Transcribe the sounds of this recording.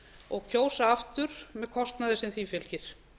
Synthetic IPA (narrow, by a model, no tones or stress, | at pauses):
ɔɣcʰoːwsaaft̪ʏɾ̥mɛðkʰɔst̪naðɪsɪnθiːfjɪlcɪɾ̥